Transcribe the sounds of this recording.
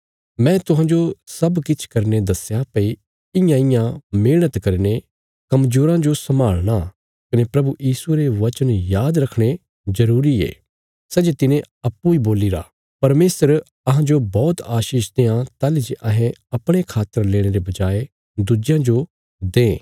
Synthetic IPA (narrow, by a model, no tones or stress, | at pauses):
mɛ̃ːt̪ʊɦãːd͡ʒosɐbkɪt͡ʃʰkɐɾned̪ɐsjapɐi | ɪjãɪjãmɪlɽ̃ət̪kɐɾne | kɐmd͡ʒoːɾãd͡ʒosɐmaːɭɽ̃a | kɐnepɾɐbujiːsueɾeʋɐt͡ʃənjaːd̪ɾɐkʰɽ̃e | zɐɾuːɾiḛː | sɛːd͡ʒet̪ɪnẽ | ɐpːuiboːlɪɾa̰ | pɐɾmeːsəɾ | ɐɦãd͡ʒobɔːt̪aːʃiːʃd̪eːãt̪aːlid͡ʒeʔɐɦẽɐpɽ̃ekʰaːt̪ːəɾleːɽ̃eɾebɐd͡ʒaːe | d̪ʊd͡ʒjãd͡ʒo | d̪ẽː